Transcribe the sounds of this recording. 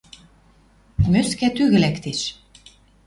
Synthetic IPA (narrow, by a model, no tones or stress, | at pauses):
møskæt̪yɣɘ̆lækt̪eʃ